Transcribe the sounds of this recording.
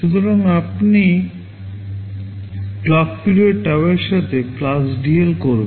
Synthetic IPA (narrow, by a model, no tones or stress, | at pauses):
ʃut̪oɾaŋapni | plɔk̚piɾeɾʈɛweɾʃat̪ʰeplasɖielkoɾbe